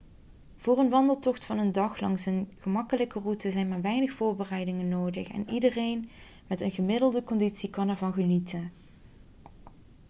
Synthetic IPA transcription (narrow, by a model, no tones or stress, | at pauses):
v̥ʊːrənʋɑndəlˠtɔχtfɑnəndɑxlɑŋsənɣəmɑkələkərutəzɛjnmaːɹʋɛjnəxfʊːɹbərɛjdɪŋənːoːdəxɛ̰nidərejn | mɛtənɣəmɪdəlˠdəkɔnditsikɑnɛɹvɑnɣənitən